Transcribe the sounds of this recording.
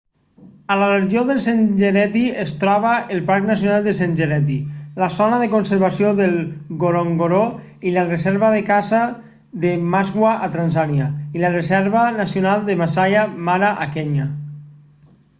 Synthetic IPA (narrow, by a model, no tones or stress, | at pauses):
alareʒioðəlˠsenʒeɾɛt̪iest̪ɾɔβaelˠpaɾknas̬jonalˠd̪əs̬enʲʒeɾɛt̪̬ilasɔnaðəkonseɾβasjoðelˠɡoɾoŋɡoɾo | ilarezɛɾβaðəkaza | ðəmazɣwaʔat̪ɾanzanjailarezɛɾβanasjonalˠd̪əβasajamaɾaʔakɛɲa